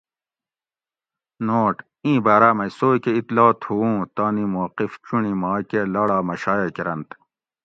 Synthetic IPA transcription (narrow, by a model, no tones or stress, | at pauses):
noːʈ | ĩːbaːɾaːmɐisoːkeit̪lɑːt̪ʰhuũːt̪aːnimoqift͡ɕuɳimɑːkelɐɽɑːmɐɕaːjekiɾɐnt̪